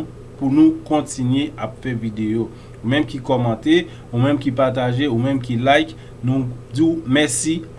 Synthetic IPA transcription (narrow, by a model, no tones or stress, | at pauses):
punũkɔ̃tinɥeapfɛvid̪ejo | umɛ̃mkikɔmɑ̃t̪e | umɛ̃mkipaʁt̬aʒeumɛ̃mkilajk | nũd͡ziwmɛsi